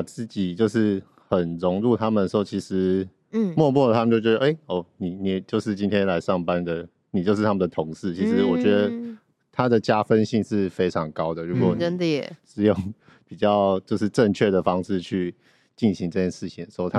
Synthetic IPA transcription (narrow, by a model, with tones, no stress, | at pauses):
a˨˩t͡sɹ̩˥˩t͡ɕi˨˩t͡ɕjo˥˧ʊʂɻ̩˥˩ | xə˨˩nɻʊ˧˥ŋɻu˥˧t̪ʰa˥mə˨nə˩ʂ̩˧˥xo˥˩ʊt͡ɕʰi˧˥ʂɻ̩˧˦˥ | mwɔ˥˧mwɔ˥˩lə˨t̪ʰa˥mə˨t͡ɕjt͡ɕɥɛ˧˥d̪ə˧ʔe˥˩ɪɔ˥˩ni˨˩ni˨˩˨t͡ɕjo˥˧ʊʂ̬ɻ̩˥˩t͡ɕi˥nt̪ʰjɛ˥nla˧˥ɪʂɑ˥˩ŋpa˦nd̪ə˨ | ni˨˩t͡ɕjo˥˧ʊʂɻ̩˥˩t̪ʰa˥mə˨nd̪ə˩t̪ʰʊ˧˥ŋʂɻ̩˥˩t͡ɕʰi˧˥ʂɻ̩˧˦wɔ˨˩t͡ɕɥɛ˧˦˥d̪ə˨˩ | t̪ʰa˦˥d̪ə˨t͡ɕja˥fə˦˥nɕi˥˧nʂɻ̩˥˩fe˥ɪʈ͡ʂʰɑ˧˥ŋkɑ˥ʊd̪ə˨ɻu˧˥kwɔ˨˩n˥ʂɻ̩˥˧jo˥˩ŋ | pi˨˩t͡ɕjɑ˥˩ʊt͡ɕjo˥˧ʊʂ̬ɻ̩˥˧ʈ͡ʂə˥˧ŋt͡ɕʰɥɛ˥˩d̪ə˩fɑ˥ŋʂɻ̩˥˧t͡ɕʰy˥˧ | t͡ɕi˥˩nɕi˧˥ŋʈ͡ʂɤ˥˧t͡ɕʰjɛ˥˧nʂɻ̩˥˩t͡ɕʰi˨ŋʂt̪ʰa˥